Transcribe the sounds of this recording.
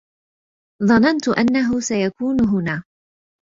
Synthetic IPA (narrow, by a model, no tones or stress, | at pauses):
ðˤɑnant̪ʊʔanːaɦʊsajakuːnɦʊnaː